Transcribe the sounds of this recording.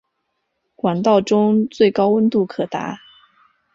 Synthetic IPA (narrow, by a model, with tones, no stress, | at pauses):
kwa˨˩nt̪ɑ˥˩ʊʈ͡ʂʊ˥ŋt͡swe˥˩ɪkɑ˥ʊwə˥nt̪u˥˩kʰɤ˨˩t̪a̰˧˥